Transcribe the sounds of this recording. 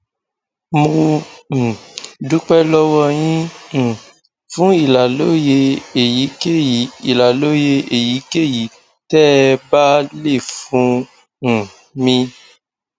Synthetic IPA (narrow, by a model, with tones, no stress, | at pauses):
mũ˧˨ | du˨˦k͡pɛ˦lɔ˦wɔ˧j̃ĩ˦ñ̩˨ | fũ˨˦i˦˨la˨lo˦je˧˨ji˨˦ke˦˨i˨la˨lo˨˦je˧e˨ji˨˦ke˦˨ji˨˦ | tɛ˦ba˦le˦˨fũ˨˦ | ñ̩˨ | mĩ˧